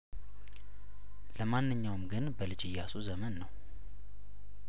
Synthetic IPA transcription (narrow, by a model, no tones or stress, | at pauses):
ləmanːɨɲːawmɡɨnbəlɨd͡ʒɨjːasuzəmənːəw